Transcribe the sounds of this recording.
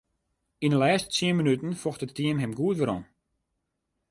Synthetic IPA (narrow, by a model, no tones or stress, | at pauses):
inəlɛːstsiəmənytən̩fɔxtəttʰːiəmɦɛmɡuətʋəɾɔ̰n